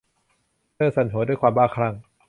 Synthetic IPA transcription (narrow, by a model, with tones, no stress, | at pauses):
ɤː˥˩sa˨˦nɦʰoː˩˦duː˥˩˨jkʰwaː˧mbaː˥˩kʰɾa˧˩ŋ